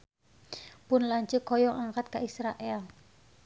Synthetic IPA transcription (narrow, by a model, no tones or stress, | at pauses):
pʊnlaɲt͡ʃəkɔjɔʔaŋkat̪̚kaʔisɾaʔɛl